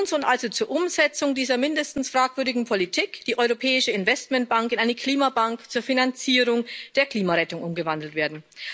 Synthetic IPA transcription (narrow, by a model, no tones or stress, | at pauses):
nsʊntʔalzot͡suːɐʔʊmzɛt͡sʊŋdiːzɐmɪndəstn̩sfʁ̥aːkv̥ʏɐɾɪɡŋ̩pʰolitʰiːkd̥iːʔɔʏʁopʰɛːɪʃəɪnvɛstmɛnt̚b̥aŋkɪnʔaɪnəkʰl̥iːmabaŋkt͡suːɐfinant͡siːʁʊŋd̥eːɐkl̥iːmaʁɛtʊŋʔʊmɡəvandl̩tveːɐdn̩